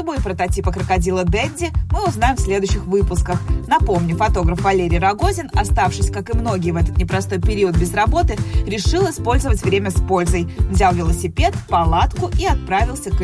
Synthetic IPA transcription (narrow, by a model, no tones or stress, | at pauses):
bojpɾət̪ɐtʲipəkɾəkɐdʲilˠəd̪ɛdʲːɪmɨʊznajɪmfsʲlʲe̞d̪ʊɕːɪxvɨpʊskəxnɐpo̞mnʲʊfɐt̪o̞ɡɾəfvɐlʲeɾʲɪjrɐɡozʲɪnɐst̪afʂɨsʲkakɨmno̞ɡʲɪjəvɛt̪ət̪nʲɪpɾɐst̪o̞jpʲɪɾʲiəd̪̚bʲɪzrɐbo̞t̪ɨɾʲɪʂɨlˠɪspo̞lʲzəvətʲvɾʲemʲəspo̞lʲzəjvzʲalˠvʲɪlˠəsʲɪpʲe̞t̪pɐlˠat̪kʊʔiɐt̪̚pɾavʲɪlˠsʲək